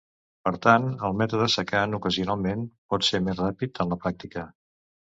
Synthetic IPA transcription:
pəɾt̪anəlˠmɛt̪uðəsəkanukəziunalˠmenpɔt̪seɾmezrapit̪ənləpɾak̚t̪ikə

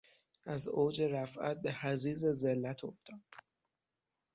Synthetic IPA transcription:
æzoːd͡ʒe̞ɾæfʔæ̰t̪̚be̞hæziːzezenːæt̪ʰoft̪ɒd̪

